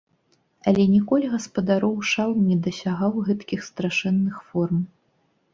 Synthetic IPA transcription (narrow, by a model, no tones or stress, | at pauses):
ɐlʲɛnʲɛkɔlʲiɣɐspɐd̪aɾɔwʂalˠmnʲɛd̪ɐsʲaɣawɣɛt̪kʲixst̪ɾaʂɛnːɨxfɔrm